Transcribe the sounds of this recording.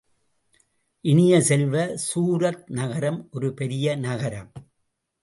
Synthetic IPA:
ʔɪnɪjɐsɛlʋɐsuːɾɐt̪̚nɐɣɐɾɐmʔɔɾɯpɛɾɪjɐnɐɣɐɾɐ̰m

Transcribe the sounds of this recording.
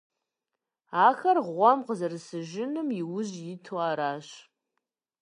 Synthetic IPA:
aːxɐrʁʷɔmqəzɨrsɨʒɪnɨmiwʊʑjɪtʰoaːɾaːɕ

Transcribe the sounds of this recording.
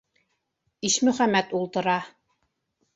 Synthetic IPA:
iʃmɵ̆χæmːæt̪ulˠt̪ɤ̆ɾɑ

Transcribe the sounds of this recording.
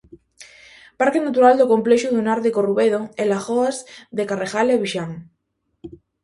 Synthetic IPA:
paɾkenat̪uɾald̪okompleʃuðunaɾðekoruβeðoelaxoazðekarexaleβiʃaŋ

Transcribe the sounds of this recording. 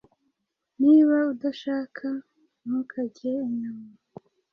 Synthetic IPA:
niːβaudaʃaːkʰa | mukʰaɟeiɲama

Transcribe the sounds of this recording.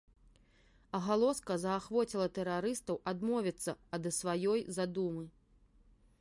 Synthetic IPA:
ɐɣalˠɔskɐzɐːxvɔt͡sʲilˠɐt̪ɛɾaɾɨst̪ɐwʔad̪mɔvʲit̪sːɐɐd̪ɐsvajɔjzad̪umɨ

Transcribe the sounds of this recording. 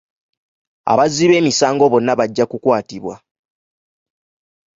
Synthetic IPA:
a̰βazːiβe̞ːmisaːŋɡo̞βo̞nːaβaɟːakukwaːtiβwa̰

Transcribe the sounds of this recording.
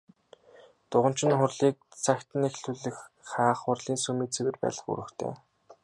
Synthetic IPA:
t̪ʊʁə̆m̥t͡ɕɪ̆nχʊrɮiːk̚t͡sʰækʲt̪ɘ̆nexɬɵɮɘ̆xː | aːχʊrɮiːnsɵmiːt͡sʰewɘ̆rpæ̰ːɮə̆χṵɾɘ̆kt̪ʰḛː

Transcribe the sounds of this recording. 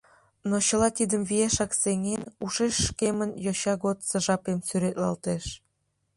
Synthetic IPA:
not͡ɕəlɑt̪id̪əmβijeʃɑkseŋenuʃeʃːkemənjoɕɑɣot̪sə̆ʒɑpemsyɾet̪lɑ̰lt̪eʃ

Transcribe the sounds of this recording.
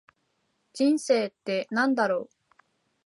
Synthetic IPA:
d͡ʑĩɰ̃se̞ːt̪ːe̞nãnd̪aɾo̞ː

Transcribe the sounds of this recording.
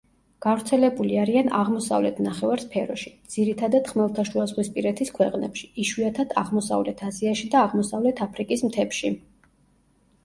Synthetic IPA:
ɡ̥avɾt̪sʰɛlɛbuliaɾiana̰ʁmɔsa̰vlɛt̪ʰnaχɛvaɾspʰɛɾɔʃi̥d̪z̥iɾit̪ʰad̪ad̪χmɛlˠt̪ʰaʃuazʁwispʼiɾɛt̪ʰiskʰwɛqʼnɛpʃi̥iʃwiat̪ʰad̪ʰa̰ʁmɔsa̰vlɛt̪ʰaziaʃid̪aːʁmɔsavlɛt̪ʰapʰɾikʼismt̪ʰɛpʃi

